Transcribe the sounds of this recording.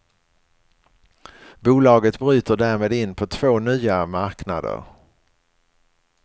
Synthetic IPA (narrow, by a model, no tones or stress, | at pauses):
buːlɑːɡət̪bɾyːt̪əɖæːɾmeːd̪ɪnpʰɔt̪ʰv̥oːnyːamaɾkna̰d̪ə̰ɾ